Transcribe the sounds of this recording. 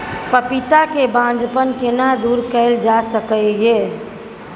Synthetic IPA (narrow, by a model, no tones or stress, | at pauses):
pəpit̪akebãd͡ʒpənkenad̪uɾkəɪld͡ʒasəkəje